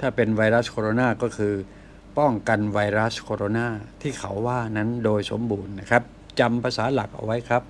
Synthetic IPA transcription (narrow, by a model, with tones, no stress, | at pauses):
t̪ʰaː˥˩pe˧nwa˧jɾa˦˥skʰoː˧ɾoː˧naː˥˩kɔː˥˩kʰɯː˧ | pɔ˥˩ŋka˧nwa˧jɾa˦˥skʰoː˧ɾoː˧naː˥˩t̪ʰiː˥˩kʰa˩˦wːaː˥˩na˦˥ndoː˧jso˩˦mbuː˧nːa˦˥kʰa˦˥p̚ | t͡ɕa˧mpʰa˧saː˩˦la˨˩k̚ʔa̰˧wa˦˥jkʰa˦˥p̚